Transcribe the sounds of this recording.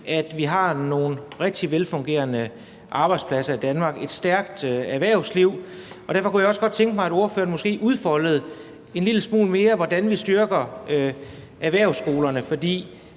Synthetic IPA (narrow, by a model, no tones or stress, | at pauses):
æd̥ʋiɦɑ̈no̝ːn̩ʁɛɡ̥̚d̥iʋelfɔ̽ŋɡ̥e̝̰ːɐnə | ʔɑ̈ːb̥ɑ̈ɪd̥spʰlæsɐid̥ænmɑ̈ːɡ̥e̝d̥sd̥æɐɡ̥d̥æʋæɐ̰ʊsliʊ̰ɒ̽d̥æɐfɒ̽kujaɒ̽sɡ̥ɒ̽d̥̚t͡sʰeŋɡ̥əmɑ̈ɪædo̝ɐfø̰ːɐnmɔ̽sɡ̥e̝̰ːʔuðˠfɒ̽ləð̞̩ˠ | e̝nliləsmṵːlme̝ːɐʋɒd̥ænʋisd̥yɐɡ̥ɐø | ʔæʋæɐ̰ʊsːɡ̥o̝ːlɐnəfɒ̽d̥ḭː